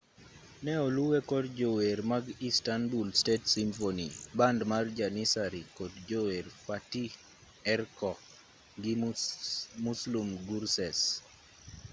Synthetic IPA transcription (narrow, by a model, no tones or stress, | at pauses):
nɛɔluwekɔdd͡ʒoweɾmaɡistanbulstetsimfonibandmard͡ʒanisaɾikɔdd͡ʒoweɾfati | ɛrkɔ | ŋɡɪ | muslumɡuɾsɛs